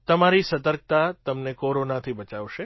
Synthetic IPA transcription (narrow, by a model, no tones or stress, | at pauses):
t̪əmaɾisət̪əɾk̚t̪at̪əmnekoɾonat̪ʰibət͡ʃaʋʃe